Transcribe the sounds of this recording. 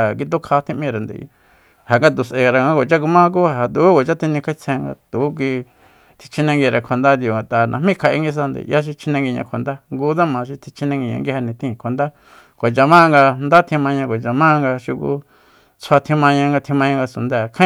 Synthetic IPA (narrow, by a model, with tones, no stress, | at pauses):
a˨k̬i˧t̪̬u˦kʰa˧t̪ʰĩ˧ʔmĩ˧ɾa˨nd̪ḛ˨˧ | ha˨ŋɡa˧t̪u˨sʔe˨˧ɾa˧ŋã˧˦˧kʷo˨t͡ʃa˦k̬u˧mã˦˧k̬u˦a˧˨ɦa˨t̪u˨˦ko˨t͡ʃa˦t̪ʰi˧nĩ˧kʰa˦i˧t͡sʰẽ˧ŋɡa̰˧t̪u˨˦k̬i˧ | t̪ʰi̥˧t͡ʃʰi˧nẽ˧ŋɡi˧ɾa˧˨kʰʷa˨nd̪a˦d̪i˧˨o˨ŋɡa˨t̪a˨nã̰˧˨mĩ˦kʰa˧ʔe˧˦ŋɡi˧s̬a˧nd̪ḛ˨˧ja˦ʃ̬i˧t͡ʃʰi˧nẽ˧ŋɡi˧ɲã̰˧kʷʰa˨nd̪a˦ŋɡu˧˦t̪a˦mã˧ʃi˧t̪ʰi˧t͡ʃʰi˧nẽ˧ŋɡi˧ɲã̰˧ŋɡi˧ha˧nĩ˧t̪ĩ˦˧kʷʰa˨nd̪a˦ | kʷa˨t͡ʃa˧mã˦˧ŋɡa˧nd̪a˦t̪ʰĩ˧mã˧ɲã˧kʷo˨t͡ʃa˧mã˦˧ŋɡa˧ʃu˧kṵ˧ | t͡sʰa˧t̪ʰĩ˧mã˧ɲã˧ŋɡa˧t̪ʰĩ˧mã˧ɲã˧ŋɡa˧su˨nd̪a˦˧˨kʰã˦